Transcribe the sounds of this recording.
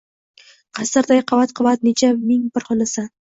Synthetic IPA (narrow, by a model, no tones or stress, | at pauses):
qʰɑsɪɾd̪ajqʰɑvat̪qʰɑvat̪̚net͡ʃʰamɪŋbɪɾχʊlɪsa